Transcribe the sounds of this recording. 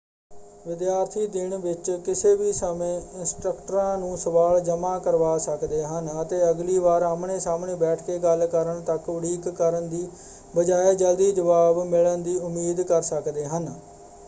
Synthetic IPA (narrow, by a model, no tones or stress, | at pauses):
ʋɪd̪jaːɾt̪ʰiːd̪ɪɳʋɪt͡ʃkɪseːʋiːsəmẽːɪnsʈɾəkʈəɾãːnũːsəʋaːld͡ʒəmaːkəɾʋaːsəkd̪eːɦənət̪eːəɡliːʋaːɾaːmɳeːsaːmɳẽːbɛːʈʰkeːɡəlkəɾəɳt̪əkʋəɽiːkːəɾənd̪iː | bəd͡ʒaːeːd͡ʒəld̪iːd͡ʒəʋaːbmɪlənd̪iːʊmiːd̪kəɾsəkd̪eːɦən